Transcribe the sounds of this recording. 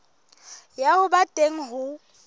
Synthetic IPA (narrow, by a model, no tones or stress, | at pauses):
jahʊbatʼeŋ̩ɦʊ